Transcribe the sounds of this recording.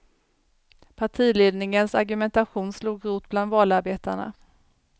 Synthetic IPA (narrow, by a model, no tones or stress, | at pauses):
pʰaʈʰiːleːd̪nɪŋənsaɾɡɵmɛnt̪aɧuːnsluːɡɾuːt̪̚bland̪vɑːlaɾbeːt̪aɳa̰